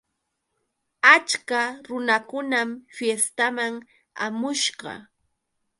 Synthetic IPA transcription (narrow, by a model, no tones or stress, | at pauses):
at͡ʃkaɾʊnakʊnamfjest̪amaŋ | a̰mʊʃɢɑ̰